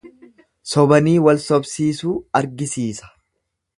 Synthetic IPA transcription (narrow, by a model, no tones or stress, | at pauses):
sɔbɐniːwɐlsɔbsiːsuːɐɾɡɪsiːsɐ̥